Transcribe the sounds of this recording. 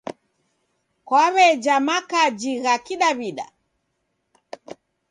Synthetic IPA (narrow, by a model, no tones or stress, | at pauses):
kwaβɛd͡ʒamakad͡ʒiɣakiɗaβiɗa̰